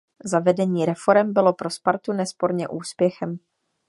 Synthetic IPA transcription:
zavɛdɛɲiːɾɛfo̞ɾɛmbɪlo̞pɾospaɾt̪unɛspo̞ɾɲɛʔuːspjɛxɛm

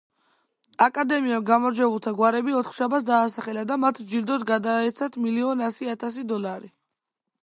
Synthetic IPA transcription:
akʼad̪ɛmiaɡamɔɾd͡ʒwɛbulˠt̪ʰaɡwaɾɛbiɔt̪ʰχʃabat̪s̬d̪aːsaχɛlad̪amat̪ʰd͡ʒiɾd̪ɔsɡad̪aɛt̪sʰat̪ʰmiliɔnasiat̪ʰas̬id̪ɔlˠaɾi

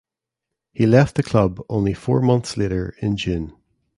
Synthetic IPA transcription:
hilɛft̪̚ðəkʰl̥ʌbõʊ̃nlifɔɹmʌ̃nθsleɾə˞ɪ̃nd͡ʒʉ̃n

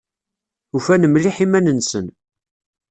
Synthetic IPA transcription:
ufænəmliħimænənsən

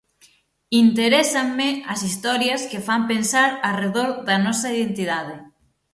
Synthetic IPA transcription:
int̪eɾɛsɐŋmɪɐsist̪ɔɾjɐskɪfampensaɾareðoɾðɐnɔsɐiðent̪iðað̞ɪ

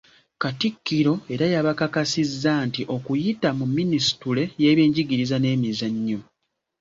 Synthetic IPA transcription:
katikːiɾo̞e̞ɾajaβakakasizːaːntiʔo̞kujitamumːinisi̥tule̞jeːβeːɲɟiɡiɾizane̞ːmizaɲːo

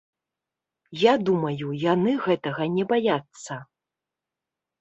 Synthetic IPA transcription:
jad̪umɐjujanɨɣɛt̪ɐɣɐnʲɛbajat̪sːɐ

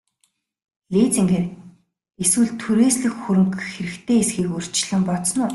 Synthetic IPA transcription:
ɮeːt͡siŋɡeːr | eswɘ̆ɮt̪ʰuɾeːsɮɘ̆xxuɾɘ̆ŋkxeɾɘ̆kt̪ʰeːesɡiːkɵr̥t͡ɕɮə̆mpɔt̪snʊː

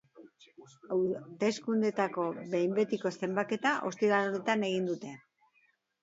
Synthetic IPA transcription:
awt̪e̞skund̪et̪ako̞βe̞jmbe̞t̪iko̞se̞mbake̞t̪aʔo̞st̪ilaɾone̞t̪ane̞ɣ̞ind̪ut̪e̞

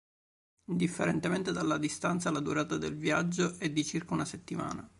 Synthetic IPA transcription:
ind̪ifːeɾent̪ement̪ed̪alːad̪ist̪ant̪salːad̪uɾaːt̪ad̪elvjad͡ʒːoʔɛd̪ːit͡ʃirkaunaset̪ːima̰ːna

